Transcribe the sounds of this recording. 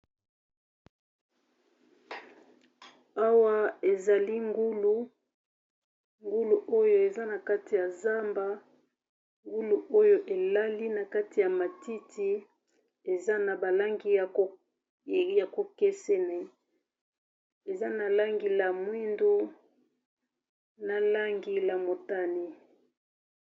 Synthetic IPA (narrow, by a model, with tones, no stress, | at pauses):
a˦wa˦e˨za˨li˦ŋɡu˦lu˦ | ŋɡu˦lu˨ʔo˦jo˦˨e˨za˦na˨ka˦ti˨ja˨za˦mba˦ | ŋɡu˦lu˨ʔo˦jo˦ʔe˨la˦li˦na˨ka˦ti˨ja˨ma˨ti˦tʰi˦ | e˨za˦na˨ba˨la˦ŋɡi˦˨o˨ | ja˨ko˨ke˦se˦ne˨˦ | e˨za˦na˨la˦ŋɡi˨la˨mwi˦ndu˦ | na˨la˦ŋɡi˨la˨mo˨ta˦ni˦